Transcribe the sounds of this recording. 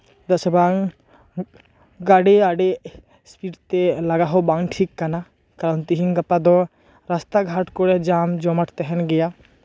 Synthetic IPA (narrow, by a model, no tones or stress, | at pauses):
d̪ɔsəbaŋ | ɡaɽeaɖe | spiɖt̪ɛlaɡaɦɔbaŋʈʰikːana | kaɾɔnt̪iɦiŋɡapad̪ɔ | ɾast̪aɡʱaʈkɔɾɛd͡ʒamd͡ʒɔmaʈʰt̪ɛɦɛnɡɛja